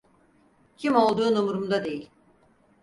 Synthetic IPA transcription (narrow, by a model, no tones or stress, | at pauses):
cʰimo̞lˠd̪uːnumɾumd̪ad̪e̞jilʲ